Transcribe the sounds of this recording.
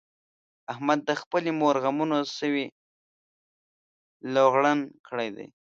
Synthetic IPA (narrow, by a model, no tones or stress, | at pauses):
ahmad̪̚ːaxpəlimoɾɣamunosəwi | loɣɽənkʰəɽajd̪a̰j